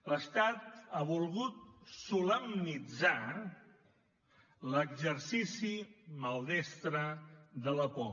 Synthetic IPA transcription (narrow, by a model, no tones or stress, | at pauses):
ləst̪at̪aβulˠɣut̪̚suləmnid͡za | ləɡzəɾsisiməlˠd̪ɛst̪ɾəðələpɔ